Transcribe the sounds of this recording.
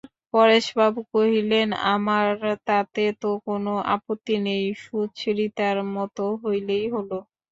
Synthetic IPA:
pɔɾeʃbabukoɦilena̰maɾt̪at̪et̪okonoʔa̰pot̪ːinejʃudt͡ɕʰɾit̪aɾmɔt̪oɦojlejɦolo

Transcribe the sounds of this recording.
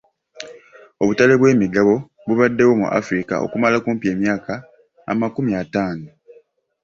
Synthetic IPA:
o̞βutale̞βwe̞ːmiɡaβo̞ | βuβadːe̞wo̞mṵʔa̰fɾika̰o̞̰kumalakuːmpie̞ːmjaːka̰ː | makumiataːno

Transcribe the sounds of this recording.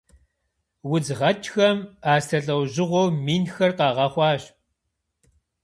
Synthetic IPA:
wʊd͡zʁɐt͡ʃʰʼxɐmaːstʰɐɬʼɐwʑɪʁʷowmiːnxɐrqɑːʁɐχʷɑːɕ

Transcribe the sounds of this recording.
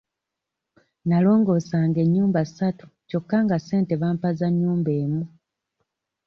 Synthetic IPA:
nalo̞ːŋɡo̞ːsaːŋɡe̞ɲːuːmbaisatu̥co̞kːaŋɡase̞ːnte̞βampazaɲːuːmbe̞ːmu

